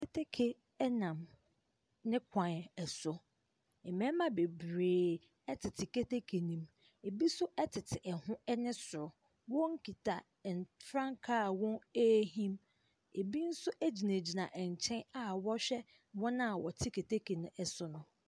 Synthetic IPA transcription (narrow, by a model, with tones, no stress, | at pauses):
ke˦tʰe˦kʰe˨ | ɛ˦nã˨m | nɪ̃˦kʷʰã˨n˨ɛ˨sʊ˨ | ɛ˨mɛ̃˦mã˦be˨bɾeː˨ | ɛ˦tʰɪ˨tʰɪ˨ke˦te˦kʰe˨nĩ˨m | e˨bi˦sʊ˦ʔɛ˦tʰɪ˨tʰɪ˨ʔɛ˨hʊ̃˦ɛ˦nɪ̃˦sʊ˨ɾʊ˨ | wɔ̃˦ŋ̩˦kʰi˨tʰa˨ | n˨fɾã˦ŋkʰa˦˨wɔ̃˦e˦ɦĩ˦m | e˨bi˦n̩˦sʊ˦ʔæ˦d͡ʑi˨nẽ˨d͡ʑi˨nã˨ʔɛ˨ɲ˨t͡ɕʰɛ̃˦na˨wɔ˦ɕᶣɛ˦ | wɔ̃˦nã˦˨wɔ˨tʰɪ˦kʰe˨tʰe˦kʰe˨nʊ̃˦ɛ˨sʊ˦nʊ̃˦